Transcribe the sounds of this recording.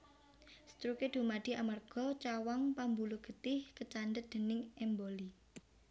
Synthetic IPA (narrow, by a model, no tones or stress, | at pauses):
st̪ɾuked̪̥ṳmaɖ̪̥i̤ʔamarɡ̥ɔ̤t͡ʃawaŋpambuluɡ̥ə̤t̪ɪhkət͡ʃandət̪̚d̪̥ə̤nɪŋɛmboli